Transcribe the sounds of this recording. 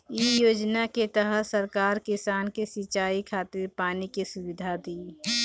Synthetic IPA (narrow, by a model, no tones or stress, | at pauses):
iːjoːd͡ʒnaket̪əɦəsəɾkaːɾkɪsaːnkesɪt͡ʃaːikʰaːt̪ɪɾpaːnikesʊʋɪd̪ʱad̪iː